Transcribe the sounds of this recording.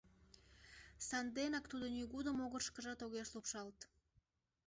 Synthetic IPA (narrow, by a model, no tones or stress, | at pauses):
sɑnd̪enɑkt̪ud̪ənyɣud̪əmoɣərʃkəʒɑt̪oɣeʃlupʃɑlt̪